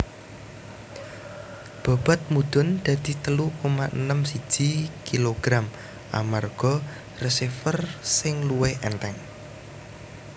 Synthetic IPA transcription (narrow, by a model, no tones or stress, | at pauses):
b̥ɔ̤b̥a̤t̪̚mud̪̥ʊ̤nd̪̥a̤d̪̥i̤t̪əlukomaʔənəmsi̥ʒ̥ikiloɡ̥ɾam | ʔa̰marɡ̥ɔ | rəsifərsɪŋluweʔɛnt̪ɛŋ